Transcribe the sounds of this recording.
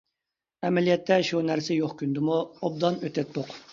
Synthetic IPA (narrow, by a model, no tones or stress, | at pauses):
ɛmɛlijɛt̪ʰːɛʃunæɾsɛjoχkʲynd̪ɪmuob̚d̪ɑnøt̪ʰɛt̪ʰːoq